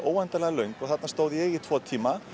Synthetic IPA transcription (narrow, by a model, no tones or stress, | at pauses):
oːwɛnt̪alɛɣalœɥŋkɔɣθat̪nast̪oːwðɪjɛɣit̪ʰvɔːt̪ʰiːma